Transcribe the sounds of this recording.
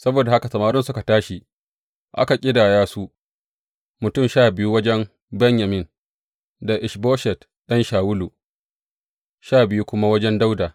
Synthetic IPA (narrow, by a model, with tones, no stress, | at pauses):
sɐ˦boː˨da˨ha˦ka˨sɐ˨maː˨ɾʊ˦nsʊ˦ka˨taː˦ʃi˨ | ʔa̰˦ka˨kʲʼɪ˦daː˨jaː˦su˦ʔ | mʊ˨tʊ˦˨mʃaː˦˨bɪ˨ju˦wɐ˦d͡ʒɛ˦m | bɛ˦ɲja˨mɪ˦n | da˨ʔɪ˨ʃboː˦ʃɛ˨t | ɗɐ˦nʃaː˨wʊ˦lu˨ | ʃaː˦˨bɪ˨ju˦kʷʊ˦ma˦wɐ˦d͡ʒɛ˦nda˦wdaː˨